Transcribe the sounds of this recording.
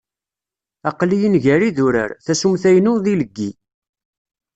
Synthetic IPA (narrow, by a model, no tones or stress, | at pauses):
ɑqlijənʝæɾiðʊɾə̰ɾθæsumθæjnʊɾðiləɡːi